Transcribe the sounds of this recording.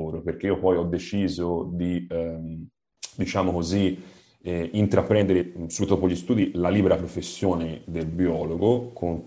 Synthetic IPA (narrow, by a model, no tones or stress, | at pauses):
oːɾoperk̟eiopɔjɔd̪ːet͡ʃiːzod̪i | d̪it͡ʃaːmokozi | int̪ɾapɾɛnd̪eɾesubit̪ːopoʎːist̪uːd̪ilaliːbeɾapɾofesːjoːned̪elbiɔːloɡokʰoŋ